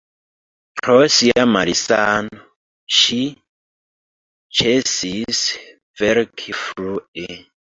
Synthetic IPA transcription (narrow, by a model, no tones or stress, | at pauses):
pʰɾosiamalisano | ʃi | t͡ʃesis | vɛɾkʰifɾue